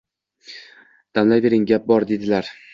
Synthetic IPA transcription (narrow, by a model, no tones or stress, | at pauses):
d̪̥amlajve̞ɾɪŋɡʲap̚bɒɾd̪e̞d̪ɪlaɾ